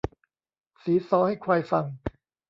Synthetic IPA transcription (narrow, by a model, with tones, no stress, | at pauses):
siː˩˦sɔː˩˦ha˥˩jkʰwaː˧jfa˧ŋ